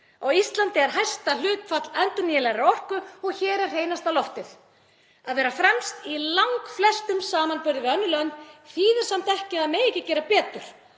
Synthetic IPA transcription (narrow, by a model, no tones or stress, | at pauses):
awist̪lant̪ɪɛɾ̥ɦajst̪alʏːt̪fat̪lɛnt̪ɔnijɪlɛɣɾaɾɔrkʏɔɣçɛːɾɛɾ̥ɦeːjnast̪alɔft̪ɪθ | aðvɛːɾafɾɛmst̪ilawŋkflɛst̪ʏmsaːmanpʏɾðɪvɪœnːʏlœnθiːðɪɾ̥samt̪ɛhcɪaðmeːjɛhcːɪcɛːɾapɛːt̪ʏɾ̥